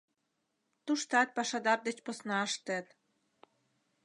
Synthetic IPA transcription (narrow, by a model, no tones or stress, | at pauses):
t̪uʃt̪ɑt̪̚pɑʃɑd̪ɑrd̪et͡ɕposnɑəʃt̪ĕt̪